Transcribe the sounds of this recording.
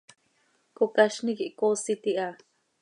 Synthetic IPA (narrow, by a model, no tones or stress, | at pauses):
kokaʃnikiʔkosit̪iʔa